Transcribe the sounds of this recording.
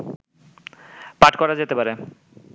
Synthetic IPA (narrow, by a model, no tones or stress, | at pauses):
paʈkɔɾad͡ʑet̪epaɾe